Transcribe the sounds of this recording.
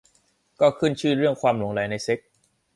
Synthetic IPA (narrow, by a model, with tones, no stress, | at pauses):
kɔː˥˩kʰɯ˥˩nt͡ɕʰɯː˥˩ɾɯ˥˩əŋkʰwaː˧mlu˩˦ŋɾa˨˩˦jna˧jse˦˥k̚